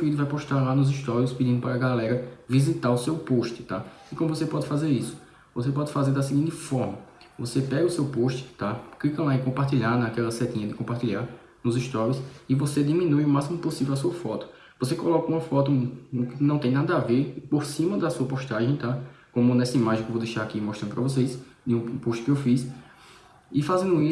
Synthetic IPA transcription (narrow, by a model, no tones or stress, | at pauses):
fiɾid̪ʊvajpoʃt̪aɾlanʊziʃt̪ɔɾiʊspid͡ʒ̪ĩd̪ʊpaɾɐɡalɛɾɐvizit̪aɾʊsewpoʃt̪ɪ̥t̪a | ikõmʊvosepɔd̪ɪfazeɾisʊ̥ | vosepɔd̪ɪfazeɾd̪ɐsiɡẽnt̪ɪfɔɾmɐvosepɛɡɐʊsewpoʃt̪ɪ̥t̪aklikɐlaikõpaɾt̪iʎanakɛlɐsɛt̪ĩɲɐd̪ɪkõpaht̪iʎaɾ | nʊziʃt̪ɔɾiusɪvosed̪imĩnujumasimʊposivɛwasuɐfɔt̪ʊ̥ | vosekolɔkɐũmɐfɔt̪ʊũkɪnɐ̃w̃t̪ẽj̃nad̪ɐaveɾpoɾsĩmɐd̪ɐsuɐpoʃt̪aʒẽj̃t̪akõmʊnesɪmaʒĩkʊvowd̪eʃaɾakimoɔʃt̪ɾɐ̃nʊpɾɐvos̬ejs | d̪ɪũpoʃt̪ɪ̥kɪewfis | ɪfazẽnd̪ʊi